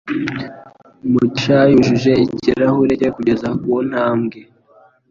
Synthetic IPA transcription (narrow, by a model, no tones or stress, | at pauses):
mut͡ʃajuʒiʒe̞iciɾahuɾecekuɟe̞zakun̥haːmɡe